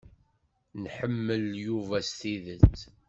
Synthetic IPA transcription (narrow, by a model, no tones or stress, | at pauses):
nħəmːəljuvæst̪iðət͡sː